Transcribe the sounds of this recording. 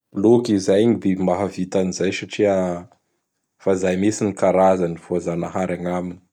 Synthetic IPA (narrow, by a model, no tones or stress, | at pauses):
lokizajɲib̪emaɦavit̪anizajsaʈ͡ʂia | fazajmesinikaɾazanivoazanaɦaɾaŋamini̥